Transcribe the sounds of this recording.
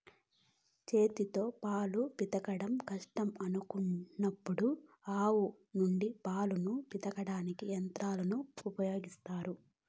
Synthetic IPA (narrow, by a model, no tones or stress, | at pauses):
t͡ʃe̞ːt̪it̪o̞ːpaːlupit̪ɐkɐɽɐmkɐʂʈɐmɐnukunːɐpːuɽu | aːwu | nuɳɖipaːlunupit̪ɐkɐɽaːnikiɐnt̪ɾaːlɐnuupɐjo̞ːɡist̪aːɾu